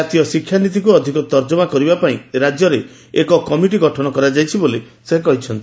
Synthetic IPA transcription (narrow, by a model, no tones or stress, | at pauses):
at̪ijɔsikʰːjanit̪̬ikuɔd̪ʱikɔt̪ɔɾd͡ʒɔmakɔɾibapaĩɾad͡ʒjɔɾe | ekɔkɔmiʈ̬iɡɔʈʰɔnɔkɔɾad͡ʒajt͡ʃʰiboli | sek̬ɔɦit͡ʃʰɔnt̪